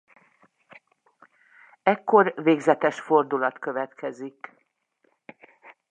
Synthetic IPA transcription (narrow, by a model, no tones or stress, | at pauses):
ɛkːo̞rveːɡzɛt̪ɛʃfo̞rd̪ulɒt̪kø̞vɛt̪kʰɛzik